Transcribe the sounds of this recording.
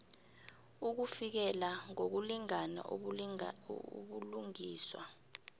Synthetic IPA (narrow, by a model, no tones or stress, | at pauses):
uk̬ufik̬ɛlaŋok̬uliŋana̰ | ɓuluŋiːswa̰